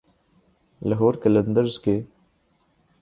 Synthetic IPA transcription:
lɐɦoːɾkələnd̪əɾzkeː

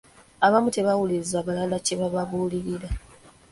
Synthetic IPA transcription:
aβamute̞βawulizaβalalace̞βaβaβuːliɾiɾa

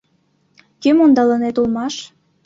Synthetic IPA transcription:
kemond̪ɑlənet̪ulmɑʃ

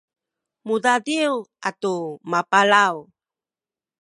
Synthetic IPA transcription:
mudadiwatumapalaw

